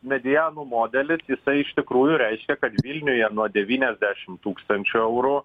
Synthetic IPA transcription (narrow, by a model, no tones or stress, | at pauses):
mʲɛd̪ʲɪjæːnuːmoːd̪ʲɛlʲɪsjɪsɐɪɪʃʲt̪ʲɪkɾuːjʊɾʲɛɪʃʲkʲɛkɐt̪ʋʲilʲnʲʊjɛnuɔd̪ʲɛʋʲiːnʲɛzʲd̪ʲæːʃʲɪmt̪uːkst̪ɐnʲt͡ʃʲʊɛʊɾʊ